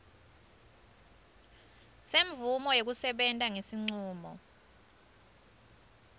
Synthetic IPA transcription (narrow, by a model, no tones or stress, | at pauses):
seɱvumɔjok̬usɛɓɛntʼaŋesiŋ͡ǀuːmɔ̰